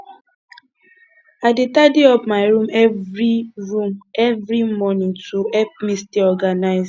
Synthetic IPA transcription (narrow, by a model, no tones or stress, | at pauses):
aɪdetadeɔpmaɪɹũmɛvɹiɹũmɛvɹimɔnĩŋtuɛp̚misteɔɡanaɪz